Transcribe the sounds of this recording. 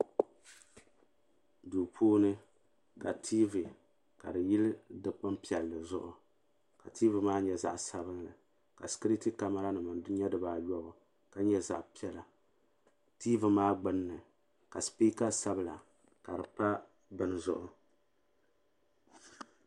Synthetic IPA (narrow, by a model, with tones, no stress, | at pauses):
duː˨pʰoː˦nɨ˦ | ka˨tʰiː˦vi˨ | ka˨dɨ˨jɪ˦lɨ˦dɨ˨k͡pɨ˦mpi˨ɛ˨lːɨ˨zʊ˦ʔʊ˨ | ka˨tiː˦vɨ˨maː˦ɲɛ˨za̰˨ʔsa˦βɨ˦nlɨ̰˨ | ka˨skɨ˦ɾi˦ti˦ka˦ma˦ɾa˦nɨ˨mɨ˨n˦ɲɛ˦dɨ˨baː˨˦jɔ˦bʊ˨ | ka˦ɲɛ˦za̰˨ʔpi˦ɛ˦la˨ | tiː˦vɨ˨maː˦ɡ͡bɨ˦nːɨ˨ | ka˨spiː˦ka˦sa˦bɨ˨la˨ | ka˨ɾɨ˨pa˦ | bɨ˦n˦zʊ̰˦ʔʊ˦